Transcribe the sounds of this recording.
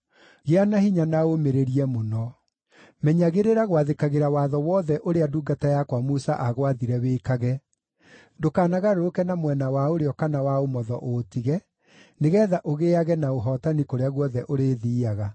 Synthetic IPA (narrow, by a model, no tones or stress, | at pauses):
ɣeanahiɲanaomeɾeɾiɛmonɔ | mɛɲaɣeɾeɾaɣwaðekaɣeɾawaðɔwɔðɛʔoɾeaduːɡatajakwamusaʔaɣwaðiɾɛweːkaɣɛ | dokaːnaɣaɾookɛnamwɛnawaoɾeɔkanawaomɔðɔʔotiɣɛ | neɣɛːðaʔoɣeaɣɛnaoɦɔtanikoɾeaɣwɔðɛʔoɾeːðiːaɣa